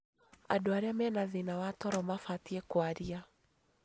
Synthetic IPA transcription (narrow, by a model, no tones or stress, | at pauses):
a̰doaɾeamɛnaðinawataɾɔmafatiɛkwaɾia